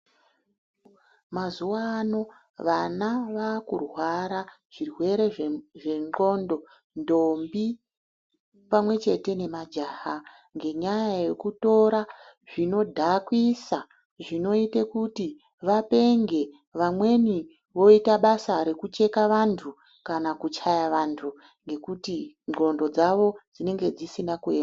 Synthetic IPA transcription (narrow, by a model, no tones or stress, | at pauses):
mazuwaːno̞ | ʋanaʋakṵrwaɾa | ʐ̥irwe̞ɾe̞ʐeŋo̞ndo̞ | ndombi | pamwe̞t͡ʃe̞te̞ne̞mad͡ʒaːha | ŋɡe̞ɲajaje̞kuto̞ɾaʐino̞dʱakwisa | ʐino̞itekuti | ʋape̞ŋɡe̞ | ʋamwe̞ni | ʋo̞itaɓasaɾekut͡ʃe̞kaʋantʰu | kanakut͡ʃajaʋantʰu | ŋɡe̞kuti | ŋ͡ǃo̞ndo̞d͡zaʋo̞d͡zine̞ŋɡe̞d͡zisinakuena